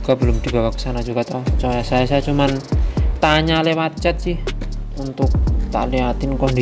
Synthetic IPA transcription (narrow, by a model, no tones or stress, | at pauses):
uɡabəlʊmd̪̥ibawakə̥sanad͡ʒukat̪at͡ʃamajasajasat͡ʃumant̪aɲalewat͡ʃat̪̚sɪhunt̪ʊk̚t̪a̰liɦat̪inkɔnd̪i